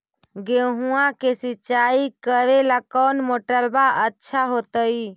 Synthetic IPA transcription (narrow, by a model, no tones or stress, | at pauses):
ɡeɦũãkesiːt͡ʃaikəɾelakənmoʈəɾbaʔətːʃʰaɦot̪əj